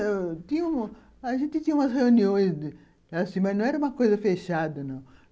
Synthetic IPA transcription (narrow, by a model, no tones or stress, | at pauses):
t̪ĩɲɐũ | aʒẽnt̪ɪt̪ĩɲɐũmɐsheuniõj̃s | ɐsĩmɐznɐ̃w̃ɛɾɐũmɐkojzɐfeʃad̪ɐnɐ̃w̃